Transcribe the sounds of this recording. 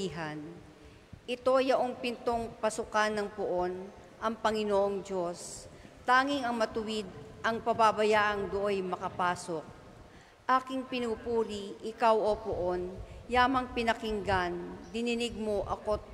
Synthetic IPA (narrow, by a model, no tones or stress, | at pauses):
iɦɐn | ʔɪt̪o̞jɐʔoŋpɪnt̪o̞ŋpɐsʊkanːɐŋpʊʔo̞n | ʔɐŋpɐŋɪnoʔoŋd͡ʒo̞st̪aːŋɪŋɐŋmɐt̪ʊwɪd̪̚ʔɐŋpɐbabɐjaːʔɐŋd̪ʊʔojmɐkɐpaːsok̚ | ʔaːkɪŋpɪnuːpuːɾiʔɪkawʔopoʔonjaːmɐŋpɪnɐkɪŋɡand̪ɪnɪnɪɡ̚mo̞ʔɐko